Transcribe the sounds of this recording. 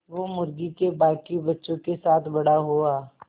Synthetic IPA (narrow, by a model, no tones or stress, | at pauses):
ʋoːmʊɾɡikebaːkibɐtːʃõkesaːt̪ʰbɐɽaɦoaː